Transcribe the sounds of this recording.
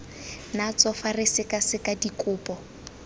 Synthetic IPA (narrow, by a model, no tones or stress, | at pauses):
nat͡sɔfarɪsɪkʼasɪkʼadikʼʊːpʼɔ